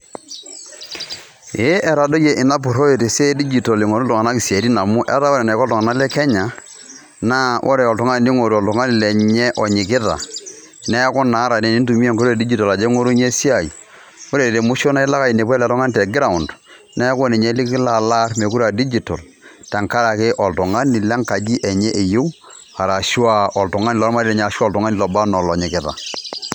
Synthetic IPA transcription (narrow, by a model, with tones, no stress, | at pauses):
e˦ʔɛ˨ɾa˨do˦ke˨ʔɪ˨na˦p̬u˨ɾo˦je˨te˨se˦di˦d͡ʒi˨to˨li˨ŋo˨ɾu˦tɔ˨ŋa˨na˦ki˨si˨e˨ɾi˦na˨mu˦ʔɛ̰˦ta˦wo˦ɾe˨na˨kɔ˦tɔ˨ŋa˨na˦lɛ˦kɛ˦ɲa˨ | na˦ʔo̰˦ɾe˨ɔ˨tu˦ŋa˦˨ni˦ŋo˨ɾɔ˨tu˨ŋa˦ni˨le˨ɲɛ˦ʔɔ˨ɲi˨kɪ˦ða̰˨ | nɛ˦kɔ˦na˨˦ɾa˨ne˨ni˦n˦tu˨mi˦e˦ŋko˦ɾo˦e˨di˦d͡ʒi˦to˨la˨d͡ʒe˦ŋo˦ɾu˦ɲe˦si˦a˨ḭ˨ | wo˦ɾe˨e˨te˨mu˦ʃo˦na˦ɪ˦la˦ka˦i˨ne˨p̬wɛ˦lɛ˨tɔ˦ŋa˦ntɛ˨ɡɪ˦ɾa˨ʊ˨nd | nɛ˦kɔ˦ne˨ɲe˦lɪ˦kɪ˦la˨la˦rme˨ku˦ɾa˨di˦d͡ʒi˨tɔ˨l | ta˨ŋka˦ɾa˨kɪ˦ʔɔ˨ltʊ˨ŋa˦ni˨lɛ˦ŋka˨d͡ʒi˦ʔɛ˨ɲɛ˦ʔe˨jo˦w | a˨ɾa˨ʃu˦a˦ɔ˨ltʊ˨ŋa˦ni˨lɔ˦ɾma˦ɾi˦lɛ˨ɲɛ˨a˨ʃa˦˨ltu˨ŋa˦ni˨lɔ˨ba˦nɔ˨lɔ˨ɲɪ˨kɪ˦ða̰˨